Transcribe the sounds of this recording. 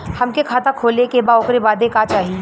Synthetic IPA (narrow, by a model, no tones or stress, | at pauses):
hɐmkekʰaːt̪akʰoːlekebaːoːkɾebaːd̪ekaːt͡ʃaːɦi